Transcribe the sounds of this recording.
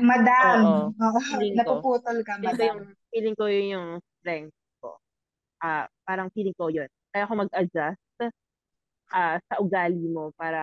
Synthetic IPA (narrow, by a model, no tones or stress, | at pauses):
mɐd̪aoʔooʔlɪŋknɐpkupuːt̪olkɐɪt̪jʊŋfiːlɪŋkojojʊŋst̪ɾɛnd̪̚ | ko̞̰ | ʔapaːɾɐŋfiːlɪŋkojonkaːjaːko̞mɐɡ̚ʔɐd͡ʒast̪ | ʔaːsɐʔʊɡaːlimo̞paːɾɐ